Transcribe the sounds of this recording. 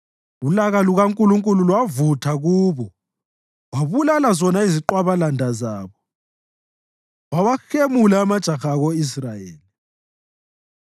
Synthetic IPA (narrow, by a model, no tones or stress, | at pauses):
ulaɣaluɣaŋkʼuluŋkʼululwavutʰaɣuːβɔ | waβulalazɔnaiziǃwaβalandʱazaːβɔ | wawaxemulaːmad̥ʒ̥ʱaxaːɣɔisraeːli